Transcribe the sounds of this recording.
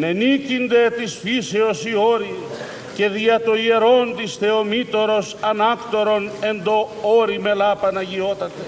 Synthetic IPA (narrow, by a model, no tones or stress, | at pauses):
ne̞nicind̪e̞t̪isfiseosioɾi | ce̞ðiɐt̪oie̞ɾo̞nt̪isθe̞omit̪o̞ɾo̞sɐnɐkt̪o̞ɾone̞nd̪o̞oɾime̞lɐpɐnɐʝio̞t̪ɐt̪e